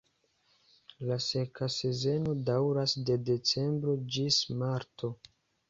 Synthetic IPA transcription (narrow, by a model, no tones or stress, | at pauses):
lase̞kase̞ze̞no̞dawɾasde̞de̞t͡se̞mbɾo̞d͡ʒismaɾto̞